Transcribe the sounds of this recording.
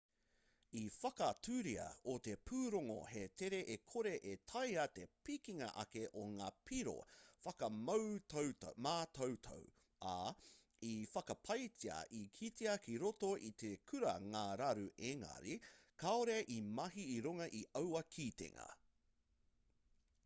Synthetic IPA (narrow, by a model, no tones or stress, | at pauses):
ifɐkɐtʰʉɾiɐ̰ot̪epʰʉːɾoŋo̰het̪ʰeɾeʔekʰoɾeʔet̪ʰɐjɐt̪epikiŋɐ̰ʔɐ̰keʔoŋaːpʰiɾo̰fɐkɐmɐwtowtmaːt̪ʰɐwt̪ʰɐ̰w | a | ifɐkɐpʰɐjtiɐ̰ʔikʰit̪eɐkʰiɾotoʔit̪ekʰʉɾɐŋaːɾɐɾuʔeŋɐ̰ɾikaoɾeʔimɐɦiːɾuŋɐʔiʔɐwɐkʰit̪ḛŋɐ̰